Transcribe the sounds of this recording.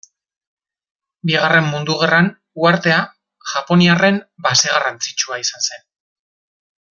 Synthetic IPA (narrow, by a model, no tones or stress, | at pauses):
biɣ̞are̞mːund̪uɣ̞eran | uaɾt̪e̞a | ʝ̥apo̞niare̞mbaseɣarant͡si̥t͡ʃuaisanse̞n